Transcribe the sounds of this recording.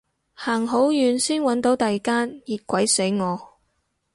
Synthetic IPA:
haː˨˩ŋɦo˨˥wjyː˨˧nsiː˥nwɐ˨˥nt̪o˨˥wt̪ɐ˨jkaː˥njiː˨t̚kʷɐ˨˥jse˨˥jŋɔː˨˧

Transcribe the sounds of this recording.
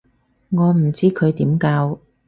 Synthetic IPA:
ŋɔː˨˧m̩˨˩t͡siː˥kʰɵ˨˧ɥt̪iː˨˥mkaː˧w

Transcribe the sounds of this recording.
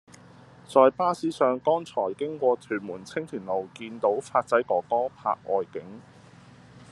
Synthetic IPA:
t͡sɔː˧jpaː˥siː˥sœː˨˧ŋkɔː˥nt͡sʰɔː˨˩jkɪ˥ŋkwɔː˧t̪ʰyː˨˩nmuː˨˩nt͡sʰɪ˥ŋt̪ʰyː˨˩nlo˨˩wkiː˧nt̪o˨˥wfaː˧t̚t͡sɐ˨˥jkɔː˨˥kɔː˥pʰa̰ː˧k̚ʔɔː˨jkɪ˨˥ŋ

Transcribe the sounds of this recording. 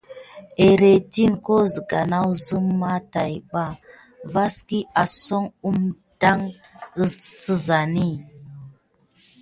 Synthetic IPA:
e˨ɾe˨ti˦nko˦zə˨ɡa˨na˦wzu˦mːa˦ta˨jɓa˦˨ | va˦ski˦a˨so˦ŋu˦m | da˦ŋə˦sə˦za˨ni˦˨

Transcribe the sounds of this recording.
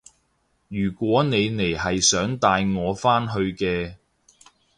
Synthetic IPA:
jyː˨˩kʷwɔː˨˥ne˨˧jne˨˩jɦɐ˨jsœː˨˥ŋt̪aː˧jŋɔː˨˧faː˥nɦɵ˧ɥkɛː˧

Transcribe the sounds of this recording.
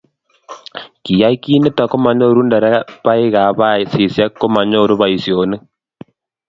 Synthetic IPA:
ki˨ja˦i˦ki˦ne˦ta˨ko˦ma˨ɲo˦ɾu˦nda˨ɾɛ˦pa˦i˦ɣa˨βa˦si˨sja˦kːo˦ma˨ɲo˦˨ɾu˦βa˨i˨sjo˨ne˦

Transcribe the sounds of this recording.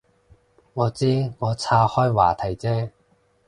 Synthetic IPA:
ŋɔː˨˧t͡siː˥ŋɔː˨˧t͡sʰaː˧hɔː˥jwa̰ː˨˩t̪ʰɐ˨˩jt͡sɛː˥

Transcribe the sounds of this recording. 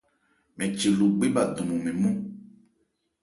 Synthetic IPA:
mɛ̃˨t͡ʃe˨lo˨ɡ͡be˦ba˨d̪ũ˨mũ˨mɛ̃˨mũ˦

